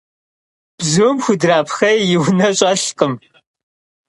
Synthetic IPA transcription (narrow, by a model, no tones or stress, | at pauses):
b̥zɨwmxʷʊdraːpxɐjjɪwnɐɕʼɐɬqʼəm